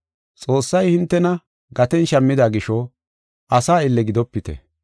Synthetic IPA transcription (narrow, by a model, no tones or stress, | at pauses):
t͡sʼo̞ːsːɐjhɪnt̪ːɛnɐ | ɡɐt̪ɛnʃɐmːɪd̪aːɡɪʃɔ | ʔɐsaːɪlːɛɡɪd̪ɔpːɪt̪ɛ̰